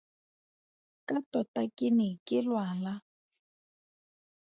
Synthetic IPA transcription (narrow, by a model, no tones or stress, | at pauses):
kʼatɔtakʼɪnɪkʼɪlwala